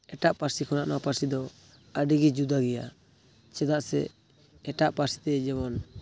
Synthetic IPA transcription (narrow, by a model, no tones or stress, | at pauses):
ɛʈaʔpaɾsikʰɔnaʔnapaɾsid̪ɔ | əɖiɡid͡ʒud̪aɡɛja | t͡ʃɛd̪aʔsɛ̰ː | ʈaʔpaɾsi̥t̪ɛd͡ʒɛmɔn